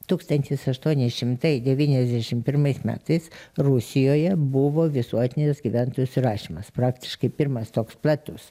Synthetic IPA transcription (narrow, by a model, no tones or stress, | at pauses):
t̪uːkst̪ɐnʲt̪ʲɪsɐʃt̪uɔnʲɪʃʲɪmt̪ɐɪd̪ʲɛʋʲiːnʲɛzʲd̪ʲæʃʲɪmpʲɪɾmɐɪsmʲæ̰ːt̪ɐɪsɾʊsʲɪjoːjɛbʊʋoːʋʲɪsuɔt̪ʲɪnʲɪsɡʲiʋʲænt̪oːjusɾɑːʃʲiːmɐspɾɑːkt̪ʲɪ̥ʃkɐɪpʲɪɾmɐst̪oːksplˠɑt̪ʊs